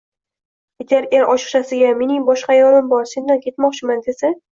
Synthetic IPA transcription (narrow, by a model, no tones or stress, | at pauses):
et̪ʲʰaɾʔʲeɾʔɒʃɨ̥χʃasɪɡʲame̞nɪŋbɒʃqɑjɒɾɪmbɒɾse̞nd̪ankʲʰe̞t̪mɒqt͡ʃʰɪmand̪esɪ